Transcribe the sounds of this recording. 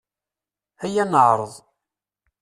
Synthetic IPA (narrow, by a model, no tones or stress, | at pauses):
hæjænəʕɾˤəðˤ